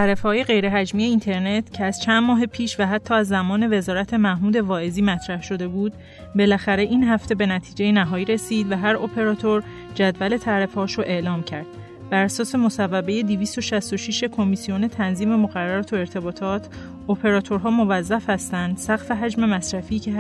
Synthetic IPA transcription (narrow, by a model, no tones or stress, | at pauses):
t̪ʰæɾefhɒːjeɣe̞jɾe̞ɦæd͡ʒmiːe̞int̪ʰe̞ɾne̞t̪ʰcʰeæz̥t͡ʃʰænd̪mɒːɦe̞pʰiːʃvæɦæt̪ʰːɒːæzːæmɒːne̞ve̞zɒːɾæt̪ʰe̞mæhmuːd̪e̞vɒːeziːmæt̪ʰɾæhʃo̞d̪e̞buːd̪̚ | be̞læxæɾe̞ʔinɦæft̪e̞be̞næt̪ʰiːd͡ʒe̞jenæɦɒːjiːɾe̞siːd̪væɦæɾopʰe̞ɾɒːt̪ʰo̞ɾ | d͡ʒæd̪væle̞t̪ʰæɾe̞fɒːʃoʔe̞ʔlɒːmcʰæɾd̪̥̚ | bæɾæsɒːse̞mo̞sævːæbe̞je̞d̪iviːst̪o̞ʃæst̪o̞ʃiʃe̞kʰo̞misio̞ne̞t̪ʰænziːme̞moɣæɾːæɾɒːt̪ʰoe̞ɾt̪ʰe̞bɒːt̪ʰɒːt̪ʰ | opʰe̞ɾɒːt̪ʰo̞ɾɦɒːmo̞væzːæfhæst̪ænd̪sæɣfeɦæd͡ʒme̞mæsɾæfiːcʰe